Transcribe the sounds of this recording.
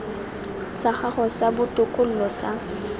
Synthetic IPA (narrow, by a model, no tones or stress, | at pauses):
saχaχɔsabʊtʼʊkʼʊl̩lɔsa